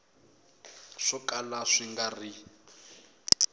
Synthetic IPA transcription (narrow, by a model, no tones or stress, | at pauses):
ʂɔkʼalaʂiŋɡari